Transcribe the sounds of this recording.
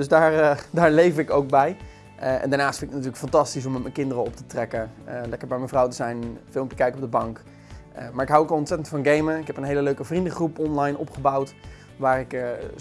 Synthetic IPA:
døsdaːɹdaːɹlejvəɹɪkowk̚bɛj | ɛ̰ndaːɹnaːstfɪnɪkənat̬yːləkfɑntɑstis̬ɔmɛtməjkɪndərəɔp̚tətrɛkəlɛkəɹbɛjmɛnvrʌwtəzɛjnfɪlˠmɛpjəkɛjkɔb̚dəbɑŋk | maːɹɪkɦawokɑlˠɔntsɛtəntfɑnɡejməɪkɦɛpənɦejləløɥkəvrindəχrupɔnlɑjnɔ̰pχəbawt | ʋaːrɪk

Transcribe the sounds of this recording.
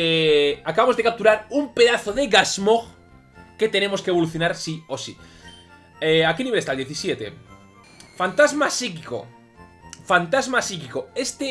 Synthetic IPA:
eakaβamozðe̞kap̚t̪uɾaɾumpe̞ðaθoðeɣazmoɣ | ke̞t̪e̞ne̞mo̞skeβo̞luθjo̞naɾsiosḭ | eakeniβeest̪ald̪jeθisjet̪e̞̰ | fant̪azmasikiko̰ | fant̪azmasikikoe̞st̪e

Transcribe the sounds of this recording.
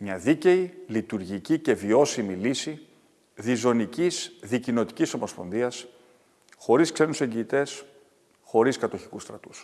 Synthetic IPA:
mɲɐðice̞ilit̪uɾʝicice̞vio̞similisi | ðizo̞nicizðicino̞t̪i̥ciso̞mo̞spo̞nðiɐs | xo̞ɾiskse̞nuse̞ɲɟiːt̪e̞s | xo̞ɾiskɐt̪o̞çi̥kust̪ɾɐt̪u̥s

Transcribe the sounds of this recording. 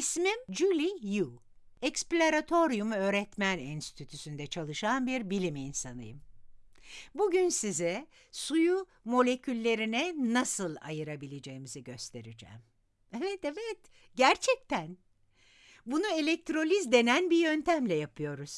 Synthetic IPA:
smimd͡ʒulʲiju | ɛksplʲoɾat̪ʰo̞ɾjumø̞ːɾɛt̪mæninst̪ʰyt̪ʰysynd̪ɛt͡ʃʰalˠɯʃanbiɾbilʲiminsanɯ̰jɯm | buɟynsizɛ | suju | mo̞lʲe̞cʰylʲːe̞ɾinɛnasɯlˠa̰jɯɾabilʲed͡ʒe̞jimiziɟø̞st̪ʰe̞ɾid͡ʒɛ̰ːm | evɛt̪evɛt̪ | ɟæɾt͡ʃʰɛc̚t̪ʰæn | bunuelʲɛc̚t̪ʰɾo̞lʲizd̪e̞nænbijø̞nt̪ʰæmlʲɛjapʰɯjo̞ɾuz̥

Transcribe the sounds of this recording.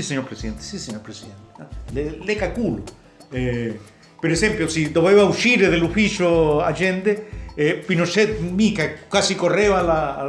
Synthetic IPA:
siseɲoɾpɾesiðent̪e̥siseɲoɾpɾesiðent̪e̥alelekalkulo | e | peɾesempjosid̪oβeβauʃiɾeðelufisjoaʒẽnd̪eepinot͡ʃet̪̚mikakwasikoreβala

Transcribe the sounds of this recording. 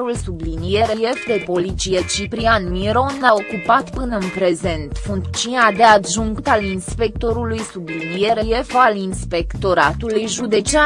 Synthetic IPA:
ɾulsublinije̞ɾeje̞fd̪e̞po̞lit̪t͡ʃijet͡ʃipɾianmiɾo̞nao̞kupat̪pɨnəɨnpɾe̞ze̞nt̪fuŋk̪t͡ʃunad̪e̞ad̪ʒuŋkt̪alinspe̞k̚t̪o̞ɾulujsublinije̞ɾejefalinspe̞kt̪o̞ɾat̪ulujʒud̪e̞t͡ʃea

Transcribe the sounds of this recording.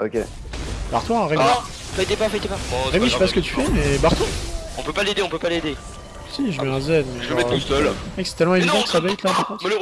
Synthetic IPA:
o̰kʲḛ | b̥aʁt̪waʁemi | fajt̪epafajt̪epaɔ̃ʁemiʃɛpasə̥kət̪y̥fɛmɛbaʁt̪waɔ̃pøpaled̪eɔ̃pøpaled̪e | siʒəmɛɛ̃zɛd̪mɛalvɔmɛtʁusœlɛksɛ̥t̪ɛlmɑ̃evid̪ɑ̃kə̥sabɛjt̪laəpɑ̃sm

